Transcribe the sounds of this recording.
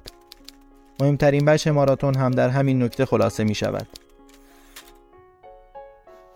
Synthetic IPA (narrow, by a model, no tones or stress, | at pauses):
mo̞he̞mt̪ʰæɾinbæʃe̞mɒːɾɒːt̪ʰo̞nɦæmd̪æɾɦæminːo̞cʰt̪ʰe̞xo̞lɒːse̞miːʃæ̰væ̰d̪̥